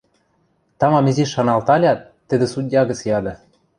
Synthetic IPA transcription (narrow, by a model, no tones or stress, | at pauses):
t̪ɑmɑmĕziʃːɑnɑlt̪ɑlʲɑt̪ːɘ̆d̪ɘ̆sud̪̚ʲjɑɡɤ̆t͡sjɑd̪ɤ̆